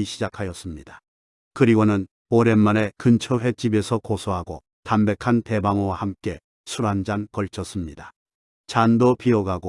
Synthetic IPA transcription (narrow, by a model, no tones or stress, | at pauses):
iɕʰid͡ʑakʰajʌs͈ɯmɲida | kɯɾiɡonɯn | oɾe̞nːane̞kɯnt͡ɕʰʌɸe̞t͡ɕ͈ibe̞sʰʌkosʰoɦaɡo | tambe̞kʰante̞baŋowahamk͈e̞ | sʰuɾand͡ʑankʌɭt͡ɕʰʌs͈ɯmɲida | t͡ɕandopiʌɡaɡo